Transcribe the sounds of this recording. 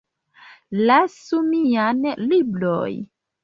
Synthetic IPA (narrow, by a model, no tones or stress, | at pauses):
lasumianlibloj